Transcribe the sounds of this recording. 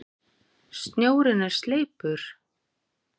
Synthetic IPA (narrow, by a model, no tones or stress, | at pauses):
st̪nʲjoːwɾɪnːaɾ̥st̪leːjpʏɾ̥